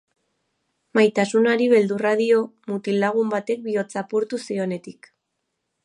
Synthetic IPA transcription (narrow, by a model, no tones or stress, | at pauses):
majt̪asunaɾiβe̞ld̪uraðio̞mut̪ilaɣ̞umbat̪e̞k̚bio̞t͡sapuɾt̪usio̞ne̞t̪ik